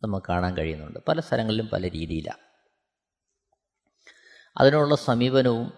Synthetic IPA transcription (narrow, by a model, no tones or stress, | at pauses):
nɐmːukːɨkːaːɳaːnkɐɻijunːuɳɖɨpɐlɐst̪ʰɐlʔɐŋːɐɭilumpɐ̰lɐɾiːðijila̰ː | ɐ̰ðinuɭːɐsɐmiːbɐnɐʋum